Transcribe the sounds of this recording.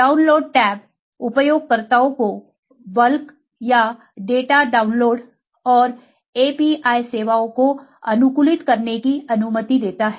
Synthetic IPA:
ɖaːʊnloːɖ̚ʈɛːp̚ | ʊpjoːɡ̚kɐɾt̪aõko | bɐlk | ja | ɖeːʈaɖaːʊnloːɖ | ɔːɾ | eːpiʔaːjseːʋaõkoɐnʊkʊlɪt̪kɐɾnekiɐnʊmət̪id̪eːt̪aɦɛː

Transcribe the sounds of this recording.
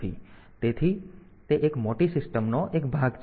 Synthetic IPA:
ḭ | t̪et̪ʰi | t̪eʔekmoʈisɪsʈəmnɔʔekbʱaɡt͡ʃ

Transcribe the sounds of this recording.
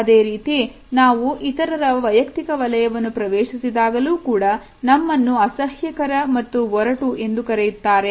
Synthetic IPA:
ɐd̪eːɾiːt̪i | naːʋuʔit̪ɐɾɐɾɐʋɐjɐkt̪ikɐʋɐlɐjɐʋɐnːupɾɐʋeːʃisid̪aːɡɐluːkuːɽɐ | nɐmːɐnːuɐsɐhjɐkɐɾɐmɐt̪ːuʋɔɾɐʈue̞nd̪ukɐɾejut̪ːaːɾe̞

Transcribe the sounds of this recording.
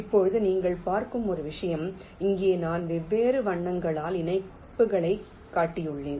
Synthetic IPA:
ɪpːɔɻɯðɯniːŋɡɐɭpaːɾkɯmɔɾɯʋɪʂɐjɐm | ɪŋɡeːnaːnʋɛʋːeːɾɯʋɐɳːɐŋɡɐɭaːlɪnɐɪ | pːɯɣɐɭɐɪ | kːaːʈːɪjɯɭːeːn

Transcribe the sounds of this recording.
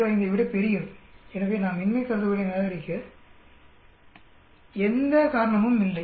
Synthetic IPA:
ʋɐɪnd̪ɐɪʋɪɽɐpɛɾɪjɐɛnɐʋeːnaːmɪnmɐɪkːɐɾɐðɯʋɐɽɐjneːlɐɐɾɪkːɯ | ɛnd̪ɐkaːɾɐɳɐmɯmɪlːɐɪ

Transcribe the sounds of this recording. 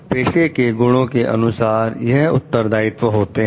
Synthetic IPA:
peːʃekeɡʊɽ̃õkeʔɐ̰nʊsaːɾjɐɦʊ̰tt̪ːəɾd̪aːɪt̪ʋəɦoːt̪eɦɛ̃

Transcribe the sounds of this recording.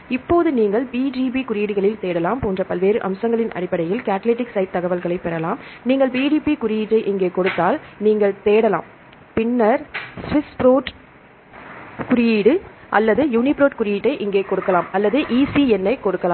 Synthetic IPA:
ɪpːoːðɯniːŋɡɐɭpiːd͡ʒiːbikʊɾɪjiːɽɯɣɐɭɪlt̪eːɽɐlaːmpoːndrɐpɐlʋeːɾɯʔɐ̰msɐŋɡɐɭɪnʔɐ̰ɾɪpːɐɽɐjɪlkaːʈleːʈːɪksɐɪʈ̚t̪ːɐɣɐʋɐlɣɐɭɐɪpːɛɾɐlaːmniːŋɡɐɭpiːɖiːpikʊɾɪjiːʈːɐɪʔɪŋɡeːkɔɽɯt̪ːaːlniːŋɡɐɭt̪eːɽɐla̰ːm | pɪnːɐɾsʋɪspɾoːʈ | kʊɾɪjiːɽɯʔɐlːɐðɯjuːnɪpɾoːʈkʊɾɪjiːʈːɐɪʔɪŋɡeːkɔɽɯkːɐlaːmɐlːɐðɯʔiːsiɛnːɐɪkɔɽɯkːɐlaːm

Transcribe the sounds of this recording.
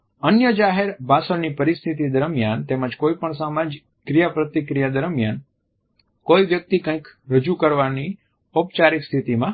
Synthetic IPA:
ənjəd͡ʒaɦeɾbasəɾnipəɾist̪ʰit̪id̪əɾmjant̪eməd͡ʒkoipəɳsamãd͡ʒ | kɾijapɾət̪ikɾijad̪əɾmjan | koiʋjək̚t̪ikə̃ĩkɾəd͡ʒukəɾʋani | opt͡ʃaɾikst̪ʰit̪imã

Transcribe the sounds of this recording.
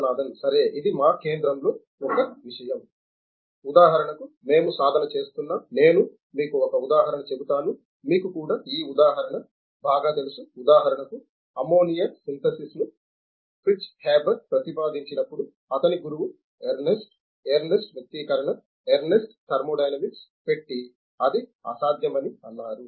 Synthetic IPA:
naːd̪ɐnsɐɾe̞ːʔid̪imaːke̞ːnd̪ɾɐmlo̞ː | ɔkɐʋiʂɐjɐm | ud̪aːɦɐɾɐɳɐku | me̞ːmusaːd̪ʱɐnɐt͡ʃe̞ːst̪unːaːne̞ːnu | miːkuɔkɐud̪aːɦɐɾɐɳɐt͡ʃe̞but̪aːnu | miːkukuːɽaːiːud̪aːɦɐɾɐɳɐ | baːɡaːt̪elusuud̪aːɦɐɾɐɳɐku | ɐmo̞ːnijɐsint̪ɐsisnu | pɾit͡ʃhaːbɐt̪̚pɾɐt̪ipaːd̪iɲt͡ʃinɐpːuɽu | ɐt̪ɐniɡuɾuʋu | eɾnesʈ | eɾnesʈʋjɐk̚t̪ːiːkɐɾɐɳɐ | eɾnesʈkɐɾmoːɖɐjnɐmiʈspe̞ʈːi | ɐd̪iɐ̰saːd̪ʱjɐmɐniɐnːaːɾu

